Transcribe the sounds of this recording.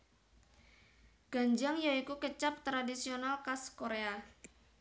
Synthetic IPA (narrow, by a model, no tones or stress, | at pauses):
ɡ̥a̤ɲd͡ʒaŋjaikukət͡ʃap̚t̪ɾadisionalkaskoɾea